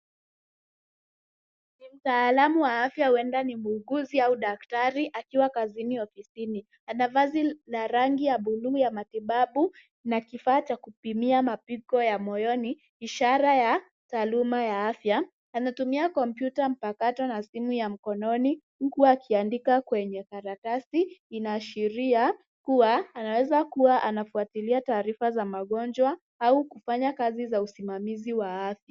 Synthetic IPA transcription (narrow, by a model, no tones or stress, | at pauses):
nim̩taːlamuwaafjahuɛndanimuːɡuziauɗak̚taɾiʔakiwakaziniɔfisini | anavazilaɾaŋɡijaɓuluːjamatiɓaɓu | nakifaːt͡ʃakupimiamapikɔjamɔjɔniː | ʃaɾaja | taːlumajaafjaː | natumiakɔmpjutam̩pakatɔnasimujam̩kɔnɔni | kuwaːkʰiandikakwɛɲɛkaɾatasiːnaːʃiɾia | kuwaːnawɛzakuwaʔanafuatiliataːɾifazamaɠɔnd͡ʒwa | aukufaɲakazizausimamiziwaafja